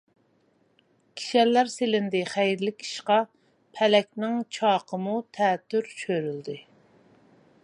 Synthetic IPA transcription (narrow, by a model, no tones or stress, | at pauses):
kʲʰi̥ʃɛlːæɾselɪnd̪ɪχæjɾlɪkʲi̥ʃqɑ | pʰɛlɛkʲnɪŋt͡ʃʰɑːqʰəmut̪ʰɛːt̪ːyɾt͡ʃʰøɾyld̪ɪ